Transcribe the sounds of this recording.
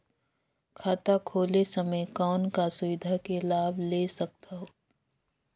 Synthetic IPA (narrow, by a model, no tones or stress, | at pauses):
kʰaːt̪akʰoːlesɐməjkɔːnkasʊʋɪd̪ʱakelaːbleːsɐk̚t̪aɦoː